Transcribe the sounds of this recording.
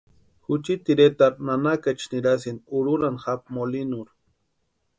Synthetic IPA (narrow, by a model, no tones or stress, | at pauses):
xut͡ʃit̪iɾet̪aɾnanakat͡ʃniɾas̬inuɾuɾanxap̚molinuɾ